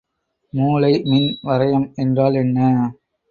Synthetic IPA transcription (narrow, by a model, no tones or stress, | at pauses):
muːlɐɪmɪnʋɐɾɐjɐmɛndraːlɛnːɐ